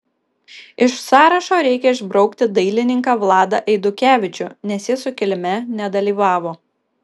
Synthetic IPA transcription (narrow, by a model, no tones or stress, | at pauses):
ɪʃsɑːɾɐʃoːɾʲɛɪkʲɛɪʒbɾɔʊkt̪ʲɪd̪ɐɪlʲɪnʲɪŋkɑːʋlˠɑːd̪ɐʔɐɪd̪ʊkʲæːʋʲɪt͡ʃʲʊnʲɛsjɪsʊkʲɪlʲmʲɛnʲɛd̪ɐlʲiːʋɑːʋoː